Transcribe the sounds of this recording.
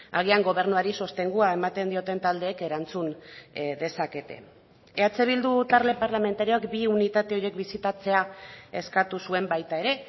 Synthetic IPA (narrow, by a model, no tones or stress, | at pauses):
aɣ̞iaŋɡo̞β̞e̞ɾnuaɾiso̞st̪e̞ŋɡuae̞mat̪e̞nd̪io̞t̪e̞nt̪ald̪e̞ːke̞ɾant͡sund̪e̞sake̞t̪e̞̰ | eat͡se̞β̞ild̪ut̪aɾle̞paɾlame̞nt̪aɾio̞akbiunit̪at̪e̞o̞ɾje̞kbisit̪at͡se̞ae̞skat̪usue̞mbajt̪ae̞ɾe̞